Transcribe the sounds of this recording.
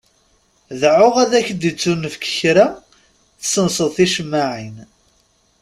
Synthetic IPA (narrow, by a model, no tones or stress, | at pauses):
ðʕʊʁæðæçd̪it͡sːunːəfkə̥çɾæ | θsənsˤəðˤθiʃəmːaʕin